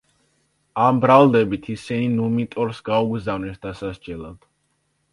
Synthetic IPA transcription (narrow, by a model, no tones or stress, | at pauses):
ambɾalˠd̪ɛbit̪ʰisɛninumit̪ʼɔɾsɡauɡzavnɛsd̪asasd͡ʒɛlˠad̪̥